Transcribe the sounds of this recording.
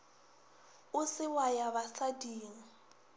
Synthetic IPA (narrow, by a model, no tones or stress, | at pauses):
ʊsɪwajabasadiːŋ̩